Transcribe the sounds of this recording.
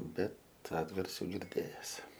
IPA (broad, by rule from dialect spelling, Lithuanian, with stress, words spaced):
ˈbʲɛt ˈɑːdɡɐrʲsʲuː ɡʲɪrʲˈdʲeːjɛs